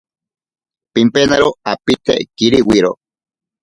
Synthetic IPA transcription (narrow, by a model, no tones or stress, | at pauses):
pimpenaɾoapit̪ḛkiɾiwiɾo